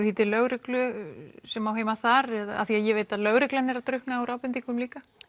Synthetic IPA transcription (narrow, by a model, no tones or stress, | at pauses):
θiːt̪ɪɾlœɣɾɪklʏsɛmawɦeːjmaθaɾɛða̰θiaðjɛveːjt̪aðlœɣɾɪklanːɛɾaðt̪ɾʏhpnaːwɾʔaːwpɪnt̪ikʰɛnmliːka